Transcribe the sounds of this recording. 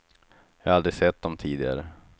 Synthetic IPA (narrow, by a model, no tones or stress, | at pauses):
jɑːald̪ɾɪsɛt̪̚ːd̪ɔmt̪ʰiːd̪ɪɡa̰ɾə